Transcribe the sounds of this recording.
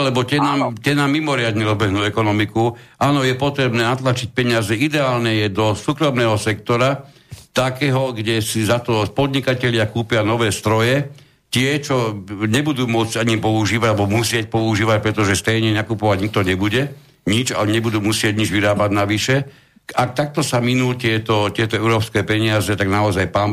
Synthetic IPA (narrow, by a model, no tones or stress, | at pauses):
lɛbɔt̪ɪɛnaːmt̪ɛnaːmːimɔɾɪad̪ɲɛɾɔzbɛɦnuːɛkɔnɔmikuʔaːnɔjɛpɔt̪ɾɛbnɛːnat̪lat͡ʃic̚pɛɲɪazɛid̪ɛaːlnɛjɛd̪ɔsuːkɾɔmnɛːɦɔsɛkt̪ɔɾa | t̪akɛːɦɔɡɟɛsizat̪ɔpɔd̪ɲikacɛʎɪakuːpɪanɔʋɛːst̪ɾɔjɛ | t̪ɪɛt͡ʃɔɲɛbud̪uːmʊɔd͡zɟaɲipɔuʒiːʋaɟalɛbɔmusɪɛc̚pɔuʒiːʋac̚pɾɛt̪ɔʒɛst̪ɛjɲɛnakupɔʋaɟɲik̚t̪ɔɲɛbuɟɛ | ɲid͡ʒa̰lɛɲɛbud̪uːmusɪɛɟɲid͡ʒʋiɾaːbaɟnaʋiʃɛ | ak̚t̪ak̚t̪ɔsaminuːt̪ɪɛt̪ɔcɪɛt̪ɔɛuɾɔːpskɛːpɛɲɪazɛt̪aɡnaɔzajpaːn